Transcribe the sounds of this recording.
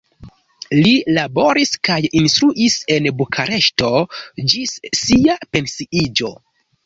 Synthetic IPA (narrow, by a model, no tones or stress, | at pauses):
lilabo̞ɾiskajinstɾuʔise̞nbukʰaɾe̞ʃto̞d͡ʒissiape̞nsiʔid͡ʒo̞